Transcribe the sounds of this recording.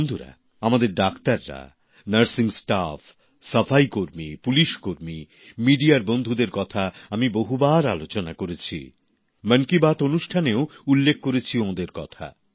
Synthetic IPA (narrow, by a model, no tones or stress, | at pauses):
nd̪ʱuɾa̰ | amad̪eɾɖakt̪aɾːa̰ | nəɾsiŋsʈaf | səfajkoɾmipuliʃkoɾmi | miɖiaɾbond̪ʱud̪eɾkɔt̪ʰaamiboɦubaɾalot͡ɕonakoɾet͡ɕʰḭ | mənkibat̪onuʃʈʰaneoulːek̚ʰkoɾet͡ɕʰiomad̪eɾkɔ̰t̪ʰa̰